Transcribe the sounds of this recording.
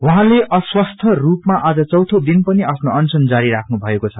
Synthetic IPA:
wʌɦãleʔʌswʌst̪ʰʌrupmaʔad͡zʌt͡sʌwt̪ʰod̪inpʌniapʰnoʌnsʌnd͡zaɾiɾakʰnubʱʌekot͡sʰʌ

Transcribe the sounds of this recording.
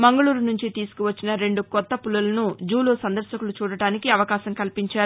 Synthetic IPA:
mɐŋɡɐɭuːɾunuɲt͡ʃit̪iːsu̥kuʋɐt͡ʃːinɐɾe̞ɳɖukɔt̪ːɐpulɐlɐnud͡ʒuːloːsɐnd̪ɐɾʃɐkulut͡ʃuːɽɐʈaːnikiɐʋɐkaːʃɐmkɐlpiɲt͡ʃaːɾu

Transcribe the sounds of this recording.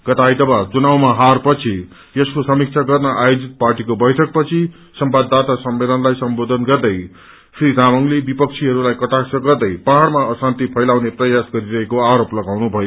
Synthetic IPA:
ɡ̥ʌt̪ajt̪ʌbat͡sunawmaɦarpʌt͡sʰi | jʌskosʌmik̚t͡sʰaɡʌrnʌʔajod͡zit̪̚parʈikobʌjʈʰʌk̚pʌt͡sʰi | sʌmbad̪ːat̪asʌmːelʌnlajsʌmbod̪ʱʌnɡʌrd̪ʌj | sriɾamʌŋlebipʌk̚t͡sʰiɦʌɾulajkʌʈaksʰʌɡʌrd̪ʌjpaɦaɽmaʌsant̪ipʰʌjlawneprʌjasɡʌɾiɾʌɦekoaɾoplʌɡawnubʱʌjo

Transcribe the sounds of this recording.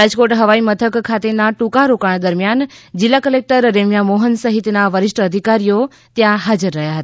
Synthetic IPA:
ɾad͡ʒkoʈɦəʋaimət̪ʰəkkʰːat̪enaʈũkaɾokaɳ̃d̪əɾmjand͡ʒɪlːakəlek̚ʈəɾːemjamoɦənsəɦit̪naʋəɾɪʃʈʰəəd̪ʱikaɾijo | t̪jãɦad͡ʒəɾːəɦjaɦət̪a

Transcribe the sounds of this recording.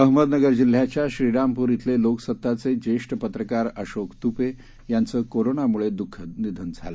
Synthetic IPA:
əɦməd̪nəɡəɾd͡ʑil̤ːjat͡ɕjaɕɾiɽampuːɾit̪ʰleloksət̪ːat͡sed͡ʑeʂʈəpət̪ɾəkaɾəɕokt̪upe | jant͡səːkoɾonamuɭed̪ukʰːənid̪ʱuːnd͡zʱa̰lə

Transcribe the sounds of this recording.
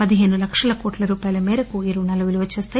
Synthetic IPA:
pɐd̪iɦeːnulɐkʂɐlɐkoːʈlɐɾuːpaːjɐlɐmeːɾɐkuiɾunɐluʋiliʋɐt͡ʃːeːst̪aː

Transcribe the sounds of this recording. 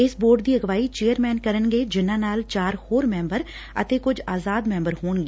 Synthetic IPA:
ɪsboːɾɖd̪iːəɡʋaːiːt͡ʃeːəɾmɛːnkəɾənɡeːd͡ʒɪnãːnaːlt͡ʃaːɾhoːɾmɛ̃ːmbəɾ | ə̰t̪eːkʊd͡ʒaːzaːd̪mɛ̃ːmbəɾhoːnɡeː

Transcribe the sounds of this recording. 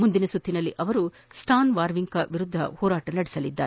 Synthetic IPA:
mund̪inɐsut̪ʰːinɐlːiʔɐʋɐɾu | sʈʰaːnʋaːɾʋiŋkɐʋiɾud̪ʱːɐ̰hɔːɾaːʈɐnɐɽɛsɐlid̪ːaːɾe

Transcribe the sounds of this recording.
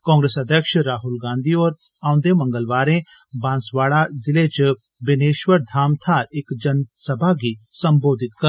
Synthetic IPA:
kɔ̃ːŋɡɾeːsɐd̪ʱjəkʃɾaːɦʊlɡãːnd̪ʱiɔːɾ | ãːʊ̃nd̪emɐ̃ŋɡəlʋaːɾẽ | bãːnsʋaːɭazɪlet͡ʃ | bɪneːʃʋəɾd̪ʱaːmt̪ʰaɪkd͡ʒɐnsɐbʱaɡisɐmboːd̪ʱɪt̪kɐ

